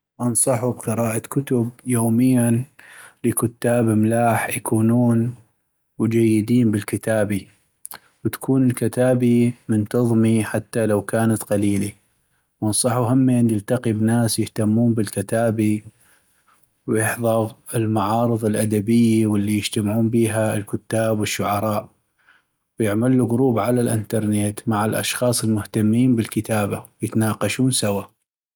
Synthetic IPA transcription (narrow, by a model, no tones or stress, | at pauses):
ʔɑnsˤɑħubqɨɾaːʔakʊt̪ʊbjoːmɪjːanlikʊt̪ːaːbmlaːħjakʰuːnuːn | wd͡ʒajːɪd̪iːnbɪlkɪt̪aːbi | wt̪ḁkʰuːnɪlkɪt̪aːbimɪnt̪ɑðˤmiħat̪ːalawkaːnat̪qɑliːli | wʔɑnsˤɑħuɦamːanjɪlt̪aqibnaːsjɪht̪amːuːnbɪlkɪt̪aːbi | wjɪħðˤɑɣɪlmaʕɑːɾɨðˤɪlʔad̪abɪjːiwɪlːijɪd͡ʒt̪amʕuːnbiːɦaɪlkʊt̪ːaːbwɪʃːʊʕɑɾˤɑːʔ | wjɪʕmalːuɣʊɾuːbʕalalʔɪnt̪ɑɾˤneːt̪maʕalʔɑ̰ʃxɑːsˤɪlmʊht̪amːiːnbɪlkɪt̪aːbawjɪt̪anaːqɑʃuːnsawa